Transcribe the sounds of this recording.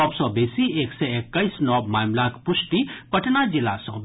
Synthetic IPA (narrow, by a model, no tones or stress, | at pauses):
ɔːbsɔbesieːksɛekːəisnɔːbmaːmlakpʊʃʈipɐʈnad͡ʒɪlasɔ̰̃ːb